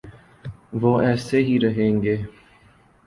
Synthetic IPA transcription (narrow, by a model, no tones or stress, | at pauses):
ʋoːʔɛːseɦiɾɐɦẽːŋɡeː